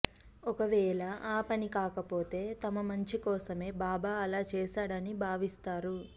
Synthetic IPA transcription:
ɔkɐʋɛːlɐʔaːpɐnikaːkɐpoːt̪e̞ːt̪ɐmɐmɐɲt͡ʃikɔːsɐme̞ːbaːbaːɐlaːt͡ʃɛːʃaːɽɐnibʱaːʋist̪aːɾu

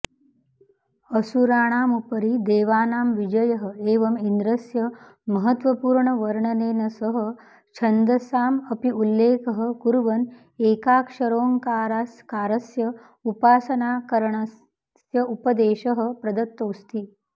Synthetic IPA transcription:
əsuɾaːɽ̃aːmupəɾiːd̪eːʋaːnaːmʋid͡ʒɐjɐɦəeːʋɐmind̪ɾɐsjɐ | mɐɦət̪ʋɐpuːɾɳəʋɐɾɳɐneːnɐsəɦə | t͡ʃʰɐnd̪ɐsaːmɐpiʔulːeːkəɦəkuɾʋɐn | eːkaːkʂɐɾoːŋkaːɾaːskaːɾɐsjɐə | upaːsɐnaːkɐɾɳa | sjɐʔupɐd̪eːʃɐɦə̆pɾɐd̪ɐt̪ːoːst̪i

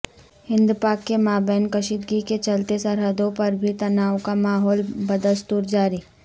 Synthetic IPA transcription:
hɪ̃nd̪upaːkːemaːbɛːnkɐʃid̪̚ɡiket͡ʃɐlt̪esɐɾɦəd̪õpɐɾbʱit̪ɐnaːʋkamaːɦɔːlbɐd̪əst̪uːɾd͡ʒaːɾiː

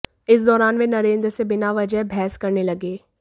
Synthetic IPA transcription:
ɪs̬d̪ɔːɾaːnʋeːnəɾẽːnd̪ɾəsebɪnaʋəd͡ʒəbʱɛːskəɾneləɡeː

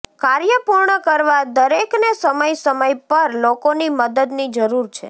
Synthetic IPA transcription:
kaɾjəpuɾɳəkəɾʋad̪əɾeknesəməjsəməjpəɾlokoniməd̪əd̪nid͡ʒəɾuɾt͡ʃʰḛ

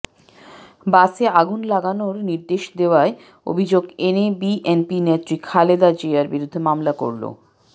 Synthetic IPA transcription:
baseaɡunlaɡanoɾniɾd̪eʃd̪eoae | o̰bʱid͡ʑoɡenebiʔenpinet̪ːɾikʰaled̪ad͡ʑeaɾbiɾud̪ʱːemamlako̰ɾlo̰

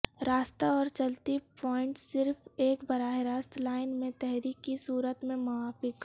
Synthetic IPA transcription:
ɾaːst̪aɔːɾt͡ʃəlt̪ipɔːɪ̃ɳʈsɪɾfeːkbɐɾaːɦɪɾaːst̪laːɪnmẽt̪ɛɦɾiːkːisuːɾət̪mẽmʊaːfɪk

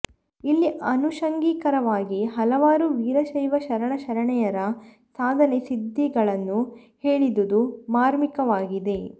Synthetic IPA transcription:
ilːiʔɐnuʃɐŋɡiːkɐɾɐʋaːɡiɦɐlɐʋaːɾuʋiːɾɐʃɐjʋɐʃɐɾɐɳɐʃɐɾɐɳɛjɐɾɐ | saːd̪ʱɐnesid̪ʱːiɡɐɭɐnːu | heːɭid̪ud̪umaːɾmikɐʋaːɡid̪e̞

